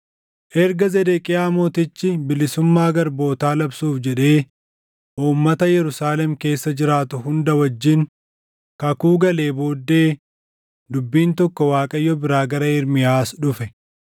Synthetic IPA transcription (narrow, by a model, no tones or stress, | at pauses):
ʔɛɾɡɐzɛd̪ekʼɪjaːmoːt̪ɪt͡ʃːɪbɪlɪsʊmːaːɡɐɾbo̞ːt̪aːlɐbsuːfd͡ʒɛᶑe̞ː | ʔuːmːɐt̪ɐjɛɾʊsaːlɛmke̞ːsːɐd͡ʒɪɾaːt̪ʊɦʊnd̪ɐwɐd͡ʒːɪŋ | kɐkuːɡɐle̞ːbo̞ːd̪ːe̞ː | d̪ʊbːiːnt̪ɔkːɔwaːkʼɐjːɔbɪɾaːɡɐɾɐɪɾmɪjaːsᶑʊfɛ